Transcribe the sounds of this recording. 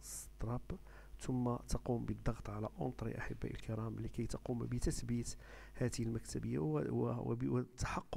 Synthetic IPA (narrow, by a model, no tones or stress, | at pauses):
st̪ɾˤɑb | t̪ʊmːat̪ɑqumbəd̪ˤːɑɣt̪ˤʕalæʔʊ̰nt̪ˤɾḭʔa̰ħəbːæ̰ʔə̰lkəɾɑmlikæjt̪ɑqumbət̪əsbit̪ | hæd̪əhəlmækt̪æbəjːa̰wwt̪ːḁħɑqː